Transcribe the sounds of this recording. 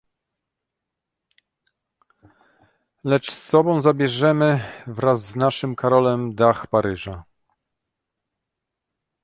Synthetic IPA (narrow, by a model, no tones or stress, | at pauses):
lɛt͡ʂsːɔbɔ̃w̃zabʲjɛʐɛmɘvɾazːnaʂɘmkaɾɔlɛmd̪axpaɾɘʐa